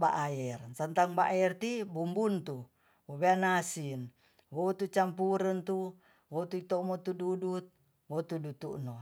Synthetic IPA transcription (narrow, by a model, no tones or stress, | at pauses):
ba̰ʔajɛrsant̪aŋbaʔaɛrt̪ibumbunt̪u | wobeanasin | wot̪ut͡ʃampuɾənt̪u | wot̪uit̪omot̪ududut̪̚ | wot̪udut̪uʔno